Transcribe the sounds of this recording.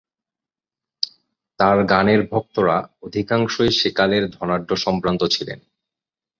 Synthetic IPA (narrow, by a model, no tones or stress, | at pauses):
t̪aɾɡaneɾbʱɔk̚t̪oɾaod̪ʱikaŋʃojʃekaleɾd̪ʱɔnaɖːoʃɔmpɾant̪ot͡ɕʰilḛn